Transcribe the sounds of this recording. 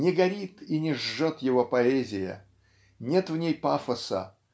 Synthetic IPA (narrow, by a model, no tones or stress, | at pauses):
nʲɪɡɐɾʲit̪inʲɪʐːot̪jɪvopɐɛzʲɪjə̰ | nʲet̪vnʲejpafəsə̰